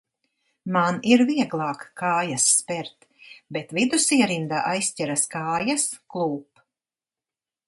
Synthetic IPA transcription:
maniɾviɛɡlˠɑːkːaːjasːpɛɾt̪ | bet̪vid̪usiɛɾind̪aʔajsʲtʲɛɾaskaːjasklˠuːp

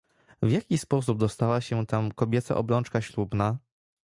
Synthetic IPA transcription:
vʲjakʲispɔs̬ub̚d̪ɔst̪awaɕɛt̪amkɔbʲjɛt̪sa̰ʔɔ̰bɾɔnt͡ʂkaɕlubna

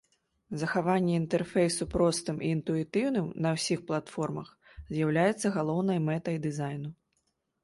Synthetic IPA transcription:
zɐxavanʲːɛint̪ɛrfʲɛjsupɾɔst̪ɨmʔiːnt̪uit̪ɨwnɨmnɐwsʲixplˠat̪fɔrmɐx | zʲjawlʲajɛt̪sːɐɣalˠɔwn̪ɐjmɛt̪ɐjd̪ɨzajnu

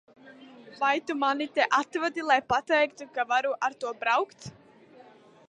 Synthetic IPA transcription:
pajt̪umanɪt̪ɛʔat̪vat̪ilajpat̪ːaekt̪ʏkavaɾuʔaɾ̥t̪uapɾawxt̪

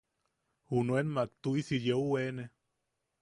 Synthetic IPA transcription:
hunuenmak̚t̪uisijeuwene

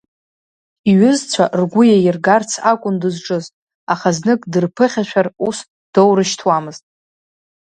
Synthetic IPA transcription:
iɥɪzt͡sʷʰaʔrɡʷʊjajɪrɡart͡sʰakʷʼʊndɨzʈ͡ʂʼɨztʼ | aχaznɨkʼdɨrpʰɨχʲaʃʷᶣarus | d̥owɾɨʃtʰwamɨztʼ

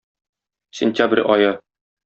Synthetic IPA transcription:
sʲɪnʲt̪ʲabrʲʔɒjɤ

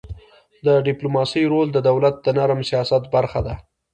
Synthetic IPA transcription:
d̪əɖɪplomɑsəjɾold̪əd̪awlat̪̚d̪ənaɾmsijɑsat̪baɾxad̪a

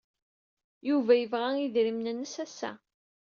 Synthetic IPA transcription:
juvæjəvʁæiðɾimnənːəsæsːæ̰

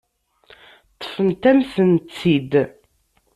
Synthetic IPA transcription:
t̪ˤːfənt̪æmθənt͡sːid̪

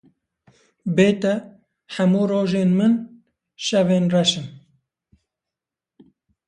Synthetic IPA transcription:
beːt̪ɛ | ħɐmuːroːʒeːnmɨn | ʃɛveːnrɛʃɨn

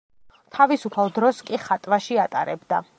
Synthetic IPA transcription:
t̪ʰavisupʰalˠd̪ɾɔskʼiχat̪ʼvaʃiat̪ʼaɾɛbd̪a

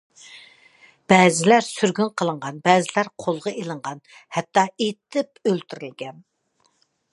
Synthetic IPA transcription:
b̥ɛːzɪlæɾsyɾɡʲynqʰəlˠəɴʁɑnbɛːzɪlæɾqʰolˠʁɑʔelˠəɴʁɑn | hɛt̪ʰːɑet̪ʰːɪpølt̪ʰyɾylɡʲɛn

